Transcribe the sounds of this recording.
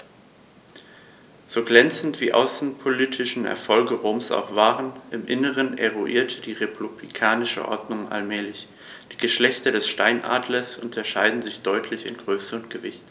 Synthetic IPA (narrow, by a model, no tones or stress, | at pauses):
z̥oːɡlɛnt͡sn̩tv̥iːʔa̰ʊsn̩pʰoliːtʰɪʃn̩ɛ̰ɐfɔlɡəʁoːmsa̰ʊxv̥aːʁənʔɪmʔɪnəʁəneʁuʔiːɐtʰəd̥iːʁepʰublḭkʰaːnɪʃə̰ʔɔ̰ɐdnʊŋʔa̰lmɛːlɪç | d̥iːɡəʃlɛçtɐdɛsʃtaɪnʔa̰ːdlɐsʔʊntʰɐʃaɪdn̩zɪçd̥ɔʏtʰlɪçɪ̰nɡʁøːsəʊntɡ̥əvɪçt